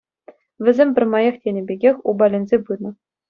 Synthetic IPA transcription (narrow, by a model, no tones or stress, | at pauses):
ʋʲɘ̆zʲemʲbʲɘ̆rʲmɑjɑχtʲenʲɘ̆bʲeɡʲexʲubɑlʲenʲzʲebɯnɤ̆